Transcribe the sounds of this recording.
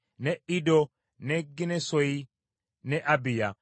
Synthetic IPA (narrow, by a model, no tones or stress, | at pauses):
nɛʔɪdɔ | nɛɡːɪnɛsɔji | nɛʔɐbɪja